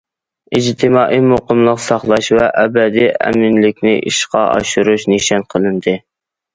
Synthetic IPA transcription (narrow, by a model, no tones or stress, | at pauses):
id͡ʒt̪ʰɪmɑːʔimoqʊmlˠəqsɑχlˠɑʃvɛʔɛbɛd̪iɛ̰mɪnlɪkʲnɪ̰ʔḭʃqɑʔɑ̰ʃuɾuʃniʃɑnqʰəlˠɨnd̪ɨ